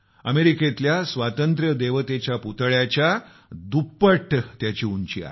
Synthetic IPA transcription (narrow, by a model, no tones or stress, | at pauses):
əmeɾiket̪ljasʋat̪ənt̪ɾjəd̪eʋət̪et͡ɕjaput̪ɭjat͡ɕja | d̪upːəʈt̪jat͡ɕiːuɲt͡ɕiːa̰